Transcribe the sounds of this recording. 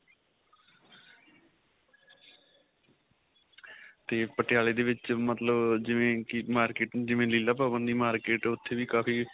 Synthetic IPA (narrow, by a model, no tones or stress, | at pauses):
t̪eːpəʈɪjaːleːd̪eːʋɪt͡ʃmət̪ləbd͡ʒɪʋẽːkimaːɾkeːʈd͡ʒɪʋẽːliːlaːpaːbənd̪iːmaːɾkeːʈʊt̪ʰːeːʋiːkaːpʰiː